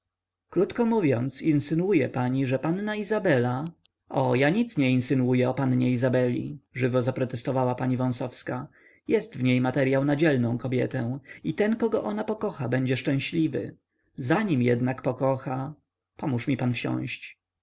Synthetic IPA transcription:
kɾut̪kɔmuvʲjɔnt̪sinsɘnwujɛpaɲiʐɛpanːaizabɛla | ʔɔjaɲit̪sɲɛinsɘnwujɛɔpanɲɛizabɛlʲḭʐɘvɔzapɾɔt̪ɛst̪ɔvawapaɲivɔ̃w̃sɔfska | jɛst̪vɲejmat̪ɛɾjawnad͡ʑɛlnɔ̃w̃kɔbʲjɛ̰t̪ɛ̃it̪ɛnkɔɡɔʔɔnapɔkɔxabɛɲd͡ʑɛʂt͡ʂɛ̃ɕlʲivɘ̰ | zaɲimjɛd̪nakpɔkɔxa | pɔmuʂmʲipanfɕɔ̰̃w̃ɕt͡ɕ

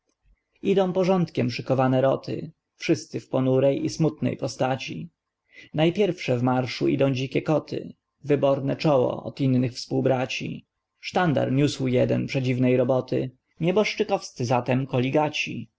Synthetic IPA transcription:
id̪ɔ̃w̃pɔʐɔnt̪kʲɛmpʂɘkɔvanɛɾɔt̪ʰɘ̰ | fʂɘst̪sɘfpɔnuɾɛjismut̪nɛ̰jpɔst̪at͡ɕi | najpʲjɛɾfʂɛvmaɾʂuʔid̪ɔ̃w̃d͡ʑikʲɛkɔt̪ʰɘ̰ | vɘbɔɾnɛt͡ʂɔwɔ̰ɔ̰t̪inːɘxfspuwbɾat͡ɕḭ | ʂt̪and̪a̰ɾɲʲuswjɛd̪ɛnpʂɛd͡ʑivnɛjɾɔbɔt̪ɘ̰ | ɲɛbɔʂt͡ʂɘkɔfst̪sɘzat̪ɛmkɔlʲiɡat͡ɕi

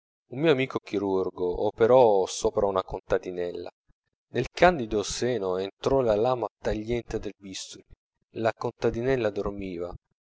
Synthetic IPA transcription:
ummiːoamiːkok̟iɾurɡoʔopeɾɔsoːpɾaunakont̪ad̪inɛlːa̰ | nelkʰand̪id̪osɛːnoent̪ɾɔlalaːmat̪aʎːɛnt̪ed̪elbist̪ul | lakont̪ad̪inɛlːad̪ormiːva

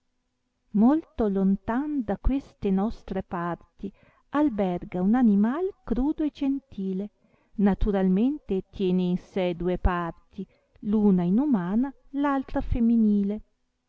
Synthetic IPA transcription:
molt̪olont̪and̪akwest̪enɔst̪ɾepart̪i | albɛrɡaunanimalkɾuːd̪oed͡ʒent̪iːle | nat̪uɾalment̪et̪jɛːneinsɛd̪uepart̪i | luːnainumaːna | lalt̪ɾafemːiniːle

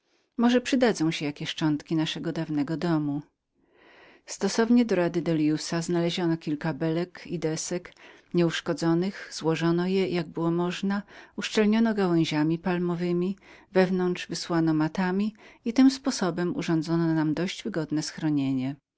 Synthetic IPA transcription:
mɔʐɛpʂɘd̪ad̪zɔ̃w̃ɕɛjakʲɛʂt͡ʂɔnt̪kʲinaʂɛɡɔd̪avnɛɡɔd̪ɔmu | st̪ɔsɔvɲɛd̪ɔɾad̪ɘd̪ɛljusaznalɛʑɔnɔkʲilkabɛlɛkid̪ɛsɛkɲɛuʂkɔd̪zɔnɘxz̥wɔʐɔnɔjɛjaɡ̚bɘwɔmɔʐnauʂt͡ʂɛlɲɔnɔɡawɛ̃ʑamʲipalmɔvɘmʲi | vɛvnɔnd̪ʐvɘswanɔmat̪amʲiit̪ɘmspɔsɔbɛmṵʐɔnd̪zɔnɔnamd̪ɔɕd͡ʑvɘɡɔd̪nɛsxɾɔɲeɲɛ

